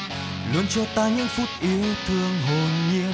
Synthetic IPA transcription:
lu˧ənt͡ɕɔ˧t̪aː˧ɲɨ̰˧˥ŋfu˦˥t̚ʔi˨˦ət̪ʰɨ˧əŋɦo˨˩nɲḭ˧˥ə

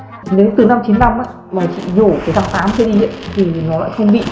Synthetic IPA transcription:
ne˨˦wt̪ɨ˨˩na˧mt͡ɕi˨˦nna˧mʔaː˧˦ | maː˨˩t͡ɕḭ˧˨ɲo˧˩kəː˨˦jt̪a˧t̪aː˨˦mt͡ɕi˧ɗi˧z̰nt̪ʰi˨˩nɔ˨˦la̰ː˧˨jxə˧wŋ͡mɓḭ˧˨

